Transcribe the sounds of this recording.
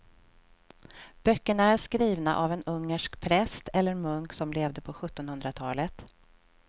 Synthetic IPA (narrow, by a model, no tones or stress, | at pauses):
b̥œkːəɳaæɾʂkɾiːvna̰ʔavɛnɵŋːəʂkpʰɾɛst̪ɛlːəɾmɵŋksɔmleːvd̪əpʰɔɧɵt̪ːɔnhɵnd̪ɾat̪ʰɑːlət̪